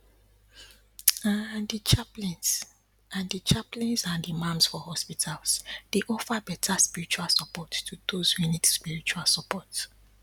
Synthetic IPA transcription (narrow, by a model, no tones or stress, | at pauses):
andit͡ʃaplĩns | ãndit͡ʃaplĩnsãndimãmsfɔhɔspitʰalsd̥eʔɔfabɛtʰaspiɹit͡ʃualsəpɔtːudoz̥hunidspiɹit͡ʃualsəpɔt